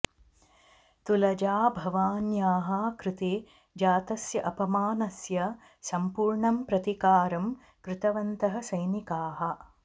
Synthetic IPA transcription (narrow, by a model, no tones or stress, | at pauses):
t̪ulɐd͡ʒaːbʱɐʋaːnjaːɦɐkɾɪt̪eː | d͡ʒaːt̪ɐsjɐʔɐpɐmaːnɐsjɐ | sɐmpuːɾɳɐmpɾɐt̪ikaːɾɐm | kɾɪt̪ɐʋɐnt̪ɐɦɐ̆sɐjnikaːɦɐ̆